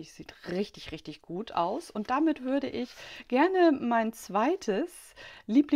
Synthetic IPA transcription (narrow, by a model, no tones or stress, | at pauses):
ɪçz̥iːtʁɪçtɪçʁɪçtɪçɡ̥uːtʔa̰ʊsʊntd̥amɪtv̥ʏɐɾəʔɪçɡ̥ɛɐnəmaɪnt͡sv̥aɪtʰəs | liːplɪ